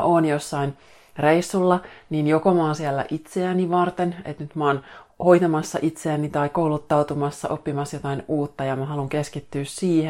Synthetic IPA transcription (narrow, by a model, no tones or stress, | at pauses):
ʔoːnjosːɑin | reisːulːɑniːnjokomɑːsiælːæ̰ʔit̪seæniʋɑrt̪enḛt̪nyt̪mɑːnhojt̪ɑmɑsːɑʔit̪seænit̪ɑikoulut̪ːɑwt̪umɑsːɑ̰ʔopːimɑsjot̪ɑinuːt̪ːɑjɑmæɦɑluŋkeskit̪ːyːssiːhe